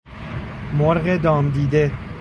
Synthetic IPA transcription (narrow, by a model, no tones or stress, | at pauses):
moɾɣed̪ɒːmd̪iːd̪e